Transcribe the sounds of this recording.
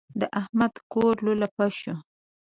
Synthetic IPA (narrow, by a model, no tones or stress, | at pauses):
d̪əʔahmad̪koɾlolapaʃo